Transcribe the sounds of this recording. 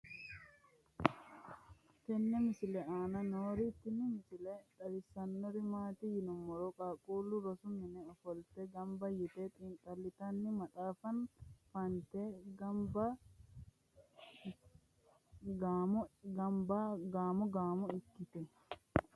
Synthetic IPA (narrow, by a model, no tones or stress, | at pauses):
kɛnːɛmɪsɪlɛaːnɐnoːɾit̪ːɪnɪmɪsɪlɛt̪ʼɐɾɪsɐnːɔɾɪmaːt̪ijɪnɔmːɔɾɔkʼakʼuːlʊɾɔsʊmɪnɛɔfɔlt̪ɛɡɐmbɐjɪt̪ɛt̪ʼɪŋkʼɐlːɪt̪ɐnːɪmɐt̪ʼaːfɐnfɐnt̪ɛɡɐmbɐ | ɡaːmɔɡɐmbaɡaːmɔɡaːmɔɪkːɪt̪ɛ